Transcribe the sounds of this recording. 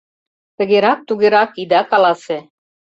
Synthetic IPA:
t̪ə̆ɣeɾɑk̚t̪uɣeɾɑkid̪ɑkɑlɑse

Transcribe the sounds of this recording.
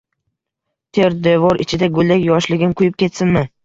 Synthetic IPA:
t̪ʰeɾd̪evɒɾɪt͡ʃʰɪd̪aɡʊlˠd̪akʲjɒʃlɪɡʲɪnkʰʊjɪp̚kʲʰe̞t̪sɪnmɪ

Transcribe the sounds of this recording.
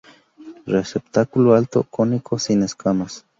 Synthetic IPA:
resept̪akuloalt̪okonikʰosineskamas

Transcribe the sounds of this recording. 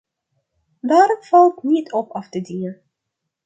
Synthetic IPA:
daːɾɔmfɑlˠtnitʰɔpɑftədiə

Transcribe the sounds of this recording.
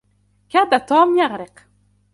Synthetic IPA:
kaːd̪at̪ɑːmjaɣɾɪq

